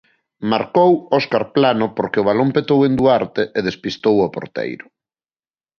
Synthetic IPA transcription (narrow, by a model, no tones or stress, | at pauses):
maɾkowɔskaɾplanʊpoɾkeʊβ̞alompet̪owend̪uaɾt̪eʔeð̞espist̪owɔpo̰ɾt̪ḛjɾʊ